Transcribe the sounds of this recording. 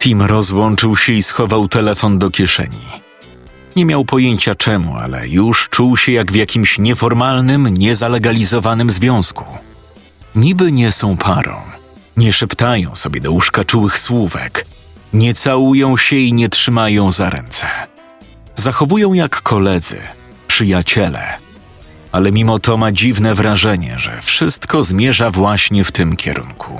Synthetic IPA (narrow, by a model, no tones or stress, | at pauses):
t̪ʲimɾɔzwɔnt͡ʂɨwɕɛisxɔvawt̪ɛlɛfɔnd̪ɔkʲjɛʂɛ̰ɲḭ | ɲɛmʲjawpɔjeɲt͡ɕat͡ʂɛmṵa̰lɛ̰juʂt͡ʂuwɕɛjaɡvjakʲimɕɲɛfɔɾmalnɘmɲɛzalɛɡalʲizɔvanɘmzvʲjɔ̃w̃sku̥ | ɲibɘɲɛsɔ̃w̃pʰaɾɔ̰̃w̃ | ɲɛʂɛpt̪ajɔ̰̃w̃sɔbʲjɛd̪ɔuʂkat͡ʂuwɘxswuvɛ̰k | ɲɛt̪sawujɔ̃w̃ɕɛiɲɛtʂɘmajɔ̃w̃zaɾɛ̰nt̪sɛ̥ | zaxɔvujɔ̃w̃jakːɔlɛd̪zɘ̰ | pʂɘjat͡ɕɛlɛ̰ | alɛmʲimɔt̪ɔmad͡ʑivnɛvɾaʐɛɲɛ̰ʐɛ̰fʂɘst̪kɔzmʲjɛʐavwaɕɲɛft̪ɘmkʲʰɛ̰ɾṵnkʰṵ